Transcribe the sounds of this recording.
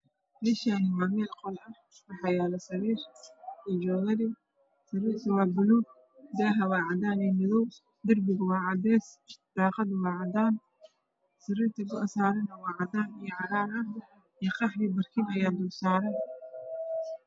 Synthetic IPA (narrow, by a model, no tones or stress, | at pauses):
lɪʃaːnɪwaːmɛːlqɔlɐ | wɑħɑjaːlɐsɐɾiːrɛd͡ʒɔːɣɐðɪ | sɪɾiːrt̪ʰɐwɑːbʊlu | d̪aːɦɐwɑːʕɑd̪aːnɛːmɪðɔw | d̪ɪrbɪɣʊwɑːʕɑd̪ɛːsd̪̥ɑːqɑd̪wɑːʕɑd̪aːn | sɪɾiːrt̪ʰɐɡʊɐsaːɾɪnɐwɑːʕɑd̪aːnijɔʕɑɾaːɾɐ | ɛqɑħnibɐrkʰɪnɐjaːd̪ʊlsaːɾɐj